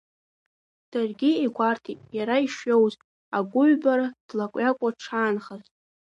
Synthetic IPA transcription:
d̥arɡʲiiɡʷartʰitʼjaɾaiʂɥo̞wz | aɡʷʊɥbaɾad̥lakʷʼjakʷʼaʈ͡ʂʰaːnχaztʼ

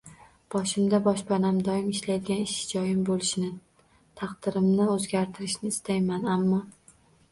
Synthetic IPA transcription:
b̥ɒʃɪmd̪abɒʃbanamd̪ɒɪmɪʃlajd̪ɪɡʲanɪʃɪd͡ʒɒjɪmbolɪʃnɪ | t̪ʰɑqd̪̥ɪɾɪmnɪɵzɡʲaɾt̪ʰɪɾɪʃnɪːst̪ʰajmanamːɒ

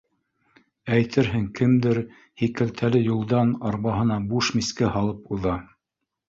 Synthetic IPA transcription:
æjt̪ʰɘɾɦɘŋkɘmd̪ɘɾ | hikɘ̆lt̪ʰælɘjulˠd̪ɑnɑɾβɑɦɤ̆nɑbuʃmiskɘhɑlˠɤpuðɑ

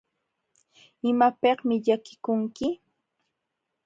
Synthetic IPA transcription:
ɪmapeχmɪʎakɪ̥kʊŋkɪ

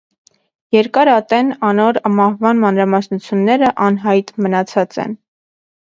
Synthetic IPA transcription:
jɛɾkɑɾɑt̪ɛnɑnɔɾmɑhvɑnmɑnɾɑmɑsnut͡sʰjunːɛɾəʔɑnɦɑjt̪mənɑt͡sʰɑt͡sɛ̰n

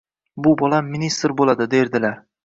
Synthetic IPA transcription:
bʊbɒlˠamːɪnist̪ɾbolˠad̪ɪd̪e̞ɾd̪ɪlaɾ

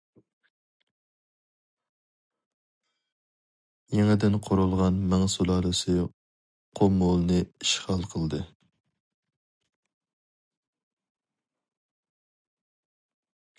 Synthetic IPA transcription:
jeŋɪd̪ɪnqʰoɾulˠʁɑnmæŋsulˠɑːlɨsɨ | qʰomolˠnɨiʃʁɑlˠqʰəlˠd̪ɨ

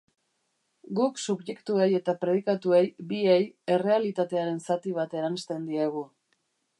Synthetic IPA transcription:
ɡuksuβje̞kt̪ue̞je̞t̪apɾe̞ðikat̪ue̞jbieje̞re̞alit̪at̪e̞aɾe̞nsat̪iβ̞at̪e̞ɾanst̪e̞nd̪iaɣ̞u

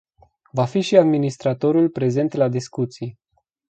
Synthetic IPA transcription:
vafiʃiad̪minist̪ɾat̪o̞ɾulpɾe̞ze̞nt̪lad̪iskut̪sij

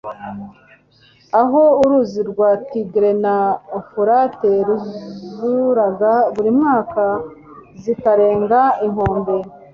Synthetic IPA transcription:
aɦo̞uɾuziɾɡwaːtiɡiɾe̞naofuɾate̞ɾuzuɾaɡaβuɾimŋaːka | zikaɾe̞ːŋɡaiŋho̞ːmbe

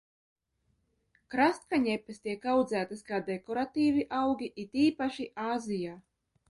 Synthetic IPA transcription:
kɾast̪̚kaɲɛpʲːɛst̪iɛkawd̪zæːt̪askaːd̪ekɔɾat̪iːviʔawɡʲiʔit̪iːpaʃiʔaːzijaː

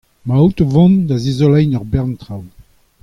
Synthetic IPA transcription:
mawt̪ovɔ̃nd̪azezɔlɛjnɔʁbɛʁnt̪ʁaw

